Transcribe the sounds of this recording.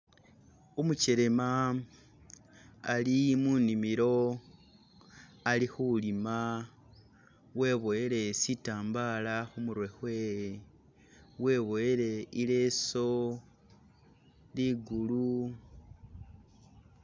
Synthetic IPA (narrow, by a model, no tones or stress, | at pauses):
omuceɾema | limunimiɾo̞ | alixulima | we̞ːβo̞eɾe̞sitaːmbalaxumuɾwe̞xwe̞ːje | we̞ːβo̞eɾe̞ile̞so̞ | liɡulu